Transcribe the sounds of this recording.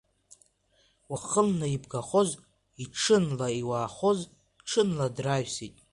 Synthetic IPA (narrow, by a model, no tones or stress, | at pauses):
waχəlnaibɡaχo̞z | iʈ͡ʂʰɨnlaiwaːχo̞z | ʈ͡ʂʰɨnladraʒsitʼ